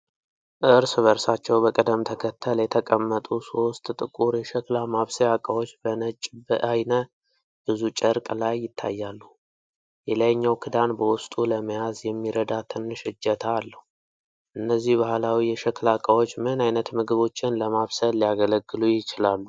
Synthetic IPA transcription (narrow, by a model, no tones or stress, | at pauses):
ʔɨɾsβəɾsat͡ʃːɛwbəkʼəd̪əmt̪ʰəkʰət̪ʰːəljɛt̪ʰəkʼəmːət̪ʼuso̞st̪ʼt̪ʼɨkʼuɾjɛʃəklamaβsəjakʼəwot͡ʃːbənət͡ʃʼbəʔajnə | b̥ɨzut͡ʃʼəɾkʼlajːɪt̪ʰːa̰jːalːu | jɛlajɲːawkʰɨd̪anbəwʊst̪ʼuləməjazjɛmːiɾəd̪at̪ʰɨnːʃɨd͡ʒːət̪ʰaːlːəhu | ʔɨnːəzːihbahlawijɛʃəklakʼəwo̞t͡ʃːmɨnajnət̪mɨɡɨβo̞t͡ʃːɪnləmaβsəlijaɡələɡːɨlujɪt͡ʃɪlalːu